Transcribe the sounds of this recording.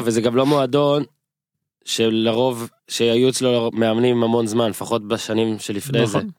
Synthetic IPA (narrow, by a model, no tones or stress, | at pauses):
vezeɡamlo̞moado̞n | ʃelaʁo̞v | ʃeajuet͡slomeamnimhamo̞nzmanlefaχo̞t̚beʃanimʃe̞lifneze